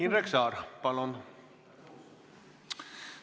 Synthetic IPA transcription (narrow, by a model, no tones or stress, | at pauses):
inreksɑːɾpɑlon